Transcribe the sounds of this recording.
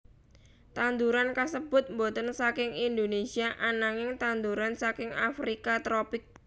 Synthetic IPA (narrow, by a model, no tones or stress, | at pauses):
t̪and̪uɾankasəb̥ʊt̪̚mbot̪ənsakɪŋind̪onesiaʔanaŋɪŋt̪and̪uɾansakɪŋa̰fɾikat̪ɾopɪk̚